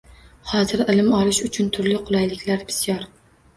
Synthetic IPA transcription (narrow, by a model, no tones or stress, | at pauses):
hɒzɪɾɪlɪmɒlˠɪʃʊt͡ʃʰʊnt̪ʰʊɾlɪqʰʊlˠajlɪkʲlaɾbɪ̥sjɒɾ